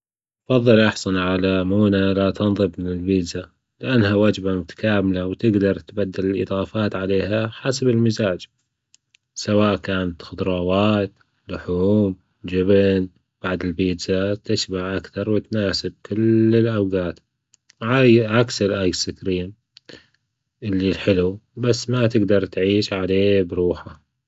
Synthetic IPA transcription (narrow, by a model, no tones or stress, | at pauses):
ʔfɑðˤːɨlʔɑħsˤɑnʕalamuːnalat̪ɑnðˤɨbmɪnɪlbiːd̪za | lɪʔanːhawad͡ʒbamʊt̪ḁkaːmɪlawt̪ɪɡd̪ɑɾˤt̪bad̪ːɪlɪlʔɨ̰ðˤɑːfaːt̪ʕaleːɦaħasabɪlmɪzaːd͡ʒ | sawaːʔkaːnat̪xʊd̪ɾˤɑːwaːt̪ | lʊħuːm | d͡ʒɪbn | b̥aʕd̪ɪlbiːd̪zat̪ɪʃbaʕʔakθɑɾˤwɪt̪naːsɪb̚kɪlːɪlʔawɡaːt̪ | ʕajʕaksɪlʔaːjsɪkɾiːn | ʔɪlːilħɪlubasːmat̪ɪɡd̪ɑɾˤt̪ʕiːʃʕaleːbɾuːħa